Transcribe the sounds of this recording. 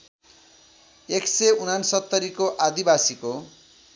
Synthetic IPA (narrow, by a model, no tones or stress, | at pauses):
ekseunansʌt̪ːʌɾikoʔad̪ibasiko